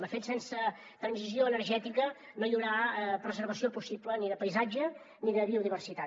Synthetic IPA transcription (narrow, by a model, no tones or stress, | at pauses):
məfet̪sensə | t̪ɾənzizioənərʒɛt̪ikə | noʎuɾapɾəzəɾβ̞əsiopusipləniðəpəjzad͡ʒə | niðəβiuðiβ̞ərsit̪a